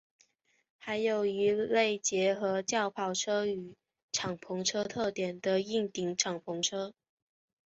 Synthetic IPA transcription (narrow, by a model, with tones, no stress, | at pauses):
xa˧˥ɪjo˨˩ʊi˧˥le˥˩ɪt͡ɕjɛ˧˥xɤ˧˥t͡ɕjɑ˥˧ʊpʰɑ˨˩ʊʈ͡ʂʰɤ˥y˨˩ | ʈ͡ʂʰɑ˨˩ŋpʰʊ˧˥ŋʈ͡ʂʰɤ˥t̪ʰɤ˥˩t̪jɛ˨˩nd̪ə˦i˥˩ŋt̪i˨˥ŋʈ͡ʂʰɑ˨˩ŋpʰʊ˧˥ŋʈ͡ʂʰɤ˥